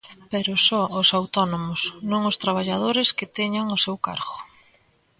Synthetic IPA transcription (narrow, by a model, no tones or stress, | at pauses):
peɾʊsɔʊsawt̪ɔnomʊsnõŋʊst̪ɾaβ̞aʎað̞oɾɪskɪt̪ɛɲaŋʊsewka̰ɾɣʊ